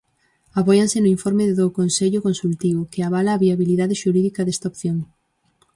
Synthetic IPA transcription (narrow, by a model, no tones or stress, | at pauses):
apojansɪnʊiɱfoɾmeððokonseʎʊkonsult̪iβʊkɪaβ̞alaːβiaβiliðaðɪʃuɾiðikɐðɛst̪aopθjoŋ